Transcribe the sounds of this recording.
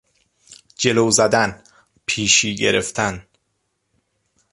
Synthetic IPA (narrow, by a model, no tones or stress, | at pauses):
d͡ʒe̞loːzæd̪æn | pʰiːʃiːɟeɾeft̪ʰæn